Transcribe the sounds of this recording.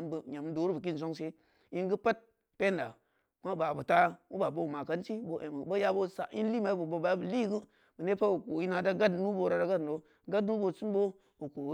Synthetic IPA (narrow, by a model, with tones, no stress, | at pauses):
mbɲa˨mdo˨˦ɾu˦bə˨k̬i˦n˨zo˦ŋse˦ | i˦nɡu˦pa˦t̚ | pe˦nda˨ | kʷa˦ba˨bu˨ta˦wu˦ba˨bo˦˨ma˨ka˦nt͡ʃi˦bo˨˦˨ʔe˨m˨bo˦ja˦bo˦˨sa̰˨i˦n˦li˦ma˨i˦bu˨bo˨ba˨˦bə˨li˦ɡu˦ | bə˨ne˦pa˦wu˨ko˨ji˦na˨da˦ɡa˦dnu˦bo˧ɾa˨da˦ɡa˦do˦ | ɡa˦dnu˦bo˨˧˨su˦nbo˦ | wu˨ko˨˦